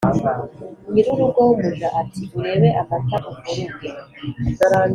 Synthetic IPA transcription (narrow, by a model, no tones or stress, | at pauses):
ŋiɾuɾuɡoβuʒaʔatiβuɾe̞we̞ʔafataʔukuɾuɡeaɾa